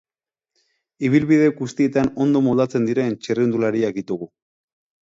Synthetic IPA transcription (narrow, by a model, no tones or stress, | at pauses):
iβ̞ilβiðe̞ɡust̪ie̞t̪ano̞nd̪o̞mold̪at͡se̞nd̪iɾe̞nt͡ʃeriund̪ulaɾiak̚d̪it̪uɣu